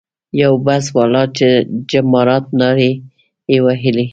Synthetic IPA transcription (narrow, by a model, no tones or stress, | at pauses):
jawbaswɑlɑt͡ʃed͡ʒamɑɾɑt̪̚nɑɾe | ewaɦɪli